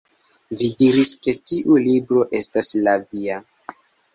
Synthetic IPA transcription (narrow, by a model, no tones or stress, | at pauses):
vidiɾiske̞tiʔulibɾo̞ʔe̞staslavia